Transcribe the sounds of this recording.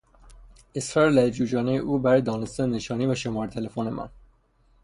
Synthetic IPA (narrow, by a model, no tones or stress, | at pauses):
ʔesɾɒːɾelæefd͡ʒuːd͡ʒɒːnejeʔuːbæɾɒːjd̪ɒːnest̪ænne̞ʃɒːniːvæʃo̞mɒːɾet̪ʰe̞lefone̞mʔæ̰n